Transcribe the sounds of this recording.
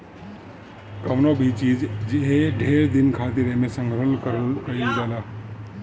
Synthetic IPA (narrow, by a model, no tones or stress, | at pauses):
kɐʋnobʱit͡ʃiːd͡ʒd͡ʒeɦeɖʱeːɾd̪ɪnkʰaːt̪ɪɾemẽsə̃ŋɡɾəlkəɾkəɾiɡaːlaː